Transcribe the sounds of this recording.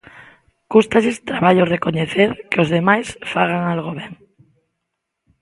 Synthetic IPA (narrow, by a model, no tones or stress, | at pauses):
kust̪aʎest̪ɾaβaʎorekoɲeθeɾkeozðemajsfaɣ̞aŋalɣoβeŋ